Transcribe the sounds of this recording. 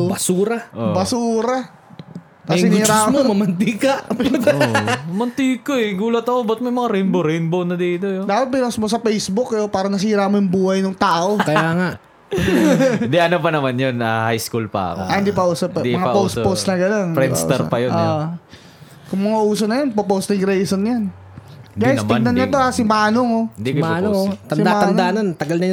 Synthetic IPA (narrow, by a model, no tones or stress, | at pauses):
bɐsuːɾɐʔobɐsuːɾɐ | kɐsɪniːɾamomɐmɐnt̪ikɐ | ɐmɐnt̪ikoɛɡuːlɐt̪ɐkobɐt̪̚mɐjmɐŋaɾɪnboɾɪnbownɐd̪iːt̪ojod̪aːpɐt̪̚bɪnɐsmos̬ɐpɛjsbʊkːjopaːɾɐnɐs̬iːɾamojʊŋbuːhɐjnʊŋt̪aːʔo̞kɐjaːŋa | nd̪iɐnopɐnɐmanjonahajskulpɐ̰ɐ̰ko̰ʔɐnd̪ipɐʔuːsɐpːɐmɐŋapospowst̪nɐɡɐno̞nɾɛn̰st̪ɛɾ̰pɐjoʔoʔ | kʊŋmɐŋaʔuːsonɐjonpopost̪ɪŋɾɛjsonjan | ɡajnstmd̪ɐnɲɐt̪oasɪmaːnoŋod̪imanot̪ɐɪd̪amaːɐnaːnɐnt̪ɐɡɐlnɐj